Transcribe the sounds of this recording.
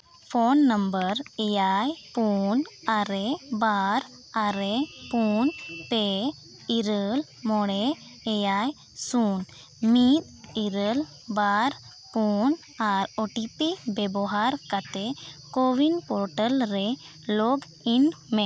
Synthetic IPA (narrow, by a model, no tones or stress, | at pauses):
pʰonːəmbəɾɛjajpunaɾebaɾ | aɾepunpe | iɾəl | mɔɽeː | jaj | sun | mit̪̚iɾəl | baɾ | pun | aɾɔʈipibɛbɔɦaɾkat̪ekowinpɔɾʈəlɾɛ | loɡ | inmɛ̃